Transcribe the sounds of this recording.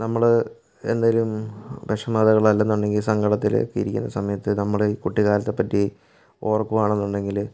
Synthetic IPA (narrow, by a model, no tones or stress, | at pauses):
nɐmːɐɭ | e̞̰nd̪alumbeʂɐmaːd̪ɐɣɐɭɐlːɐenːuɳɖe̞ŋɡilsɐŋɡɐɽɐt̪ːil̰kːeḭɾikʲːṵnːɐ̰sɐmɐjɐt̪ːɨnɐmːɐɭiːkuʈːiɣaːɾɐt̪ːepːɐtːi | o̞ːrɐkːumaːɳe̞nːuɳɖe̞ŋɡil